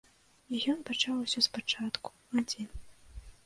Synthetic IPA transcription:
ijɔnpat͡ʂawusʲɔspat͡ʂat̪ku̥ | ad͡zʲɛnʲ

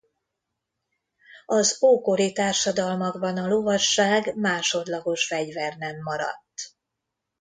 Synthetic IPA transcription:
ɒzoːkoɾit̪aːrʃɒd̪ɒlmɒɡbɒnɒlo̞vɒʃːaːɡmaːʃo̞d̪lɒɡo̞ʃfɛɟvɛrnɛmːɒɾɒ̰t̪ː

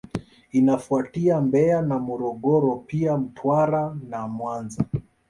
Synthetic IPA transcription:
inafuatiambɛanamɔɾɔɠɔɾɔpiam̩tʰwaɾanamwanza

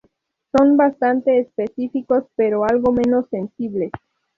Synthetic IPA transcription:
so̞nbast̪ant̪e̞ːspesifiko̞speɾo̞alɣo̞me̞no̞sːe̞nsiβle

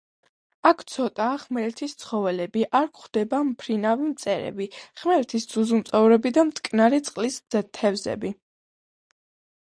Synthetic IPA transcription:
akʰt̪sʰɔt̪ʼaːχmɛɾɛt̪ʰist̪sʰχɔvɛlɛbiʔaɾkχd̪̥ɛbampʰɾinavimt̪sʼɛɾɛ̰biχmɛɾɛt̪ʰisd̪z̥uzumt̪sʼɔvɾɛbid̪amt̪ʰʼkʼnaɾit̪sʼqʼlisɛt̪ʰɛvzɛ̰bi

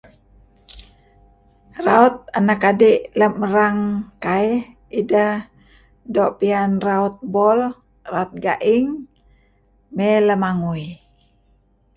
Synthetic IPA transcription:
raut̪̚anakadiʔləməɾaŋkaih | idah | doʔpianraut̪̚bɔl | raut̪̚ɡaʔiŋ | mɛləmaŋui

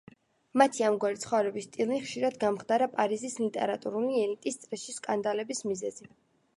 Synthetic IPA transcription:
mat̪ʰiamɡwaɾit̪sχɔvɾɛbist̪ʼilˠniχʃiɾad̪ɡamχd̪aɾapʼaɾizislit̪ʼɛ̰ɾat̪ʼuɾuliɛlit̪ʼist̪sʼɾɛʃiskʼand̪alɛbismizɛzi

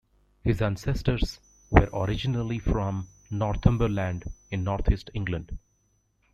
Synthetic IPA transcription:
hɪzæ̃nsɛsʈəɾs | ʋə̰ɾʔɔɾɪd͡ʒɪnəlifɾɔ̃m | nɔːɾt̪ʰə̃mbəɾlæ̃ɳɖɪ̃nːɔːɾt̪ʰisʈɪ̃ŋɡlə̃ɳɖ̥

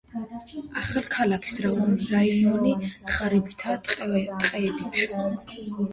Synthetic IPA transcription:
aχalkʰalakʰi̥sɾaɔniɾaiɔniχaɾibit̪ʰat̪ʼqʼt̪ʼqʼɛːbit̪ʰ

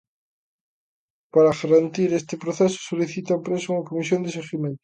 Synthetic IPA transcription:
paɾaɣaɾant̪iɾest̪ɪpɾoθesʊ̥soliθit̪apɾesuŋakomisjond̪eseɣimẽnt̪ʊ̥

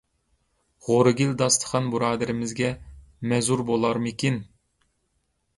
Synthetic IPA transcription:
ʁoɾɨɡʲild̪ɑst̪ʰə̥χʰɑnbuɾɑːd̪ɪɾɪmɪzɡʲɛmɛzuɾbolˠɑɾmɨkʲin

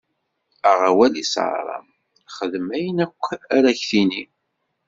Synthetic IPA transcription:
æʁawælisɑ̰ɾˤɑ̰m | χəðəmæjənækʷːæɾæçθini

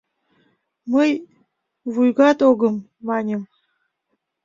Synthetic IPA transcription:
məj | vujɡɑt̪oɡəmː | ɑnʲəm

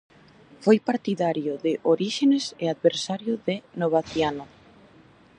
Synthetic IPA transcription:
fojpaɾt̪iðaɾjʊðɪʔoɾiʃenesɪaðβeɾsaɾjʊðɪnoβaθjanʊ

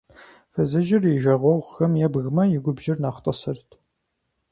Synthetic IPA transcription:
fɐzɨʒɪrjɪʒɐʁʷɔʁʷxɐmjɛbɣmɐjɪɡʷʊbʒɪrnaːχtʼɐsɐrtʰ

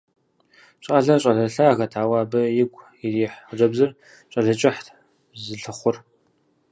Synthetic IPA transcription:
ɕʼaːɮɐɕʼɐɮɐɬɐaːɣɐtʰaːwaːbɐjɪɡʷʼ | ɪriːħəd͡ʒɐbzɨr | ɕʷʼɐɮɨt͡ʃʼɪħt | zɨɬɨχʷʊr

